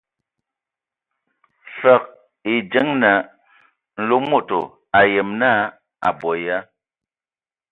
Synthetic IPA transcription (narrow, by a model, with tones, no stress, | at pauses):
fə˦˨k̚ | e˨d͡ʒɛ˦ŋna˨˦ | n̩˨lo˦mo˦˨to̰˨ | a˨jɛ˨mna˦ | a̰˨bɔ˨ja˦